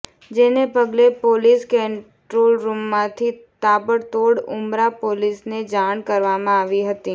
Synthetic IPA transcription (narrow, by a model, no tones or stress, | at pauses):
d͡ʒɪnepɐɡlepoːliːskeɪɳ | ʈɾoːlɾuːmːãt̪ʰit̪aːbəɾt̪oːɽʊ̰mɾapoːlɪsned͡ʒaːñkɐɾʋaːmãaːʋiɦɐt̪iː